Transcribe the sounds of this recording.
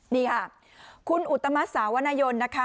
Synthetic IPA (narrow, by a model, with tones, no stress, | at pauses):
niː˧˩kʰa˥˩ | kʰu˧nʔu˨˩t̪ːa˧ma˦˥t̪̚saː˩˦wa˧naː˧jo˧nːa˦˥kʰa˦˥